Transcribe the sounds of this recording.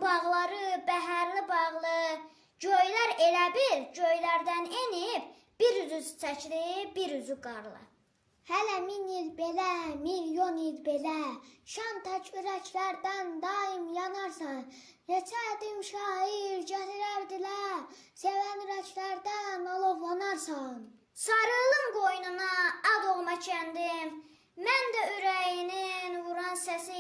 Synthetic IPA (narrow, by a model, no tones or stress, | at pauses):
bɑʁlˠɑɾɯbæɦæɾlibɑʁlˠɯ | ɟøjlæɾelæbiɾɟøjlæɾd̪ænenib | b̥iɾyzyzt͡sʰæcʰlibiɾyzyɡɑɾlˠɯ̰ | hælæminilbe̞læmiljo̞nilbe̞læʃɑnt̪ʰæcʰyɾæcʰlæɾd̪ænd̪ɑimjɑnɑɾsɑn | jet͡ʃʰæd̪imʃɑːɦiɾɟæliɾæɾd̪ilæɾ | sevænyɾæcʰlæɾd̪æmɑlˠovlˠɑnɑɾsɑn | sɑɾɯlˠɯmɡo̞jnunɑɑd̪oʁmɑcʰænd̪im | mænd̪æyɾæjininvuɾɑnsæsi